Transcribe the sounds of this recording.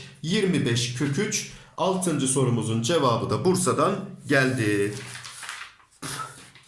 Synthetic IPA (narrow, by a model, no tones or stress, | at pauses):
jiɾmibɛʃcʰø̞cʰyt͡ʃalˠt̪ʰɯnd͡ʒɯso̞ɾumuzund͡ʒevaːbɯd̪abuɾsad̪anɟælʲd̪i